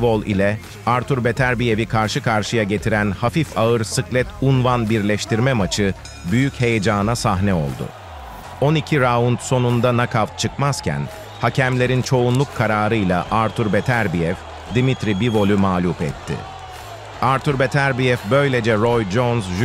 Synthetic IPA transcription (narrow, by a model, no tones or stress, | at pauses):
vo̞lˠḭlʲɛ | aɾt̪ʰuɾbet̪ʰæɾbije̞vikʰaɾʃɯkʰaɾʃɯjaɟe̞t̪ʰiɾænhafifaɯɾsɯklʲɛt̪ʰunvanbiɾlʲɛʃt̪iɾmɛmat͡ʃʰɯ | byjyche̞jed͡ʒaːnasaɦnɛo̞̰lˠd̪ʊ̰ | o̞nicʰiɾaunt̪so̞nund̪anakʰavt͡ʃʰɯkmaz̥cʰæ̰n | hacʰæmlʲeɾint͡ʃʰo̞unlˠukʰːaɾaːɾɯjlˠa̰ʔaɾt̪ʰyɾbet̪ʰæɾbijɛv | d̪imit̪ɾibivo̞lʲˠumaːlʲupɛ̰t̪ʰːɪ̰ | aɾt̪ʰyɾbet̪ʰæɾbijɛfbø̞jlʲe̞d͡ʒɛɾo̞jd͡ʒonzʒ